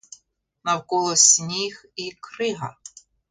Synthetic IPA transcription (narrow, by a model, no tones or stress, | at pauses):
nɐwkɔlˠɔsʲnʲixikɾɪɦɐ̰